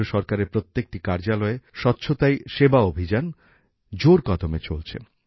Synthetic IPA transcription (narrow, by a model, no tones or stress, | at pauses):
oʃɔɾkaɾeɾpɾot̪ːek̚ʈikaɾd͡ʑalɔeʃɔtːɕʰot̪ajʃebaobʱid͡ʑan | d͡ʑoɾkɔd̪omet͡ɕolt͡ɕʰḛ